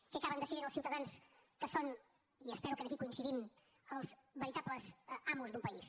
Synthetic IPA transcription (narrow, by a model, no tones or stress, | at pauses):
kɛɐkaβənd̪əseɾeɾnəlˠsiwt̪əðanskəson | iəspɛɾukənəkikuinsiðim | əlˠzβəɾit̪apləzamuzd̪umpəis